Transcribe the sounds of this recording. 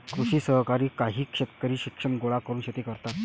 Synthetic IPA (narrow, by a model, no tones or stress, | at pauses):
kɾuɕiːsəɦkaɾiːkaɦiːkʂet̪kəɾiːɕikʂəɳɡoɭakəɾuːnɕet̪ekəɾt̪at̪̚